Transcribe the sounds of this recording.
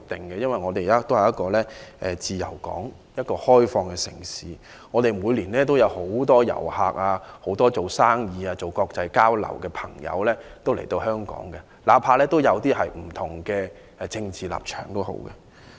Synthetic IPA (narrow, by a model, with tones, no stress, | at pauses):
k̚t̪ɪ˨˩ŋkɛ˧jɐ˥nwɐ˨jŋɔː˨˧t̪e˨jaː˥t̪o˥whɐ˨jɐ˥t̚kɔː˧lɛː˥ʔɛ˨t͡siː˨jɐ̰˨˩wkɔ̰ː˨˥ŋ | jɐ˥t̚kɔː˧hɔː˥jfɔː˧ŋkɛː˧sɪ˨˩ŋsiː˨˦ | ŋɔː˨˧t̪e˨jmuː˨˧˥jliː˨˩nlɛː˥t̪̬o˥wjɐ˨˧who˨˥wt̪ɔː˥jɐ̰˨˩whaː˧k̚aː˧ho˨˥wt̪ɔː˥t͡so˨˩wsaː˥ŋjiː˨˧aː˧t͡so˨wkɔː˧k̚t͡sɐ˧jkaː˥wlɐ̰˨˩wkɛː˧pʰɐ˨˩ŋjɐ̰˨˧wlɛː˥t̪o˥wle˨˩jt̪o˧whœː˥ŋkɔ̰ː˨˥ŋkɛ˧ | laː˨˥pʰaː˧lɛː˥t̪o˥wjɐ˨˧wt̪iː˥ɦɐ˨jm̩˨˩t̪ʰʊ˨˩ŋkɛː˧˨ | t͡sɪ˧ŋt͡siː˨la̰ː˨p̚t͡ʃʰœ̥̰ː˨˩ŋt̪o˥who̰˨˧˥wkɛ˧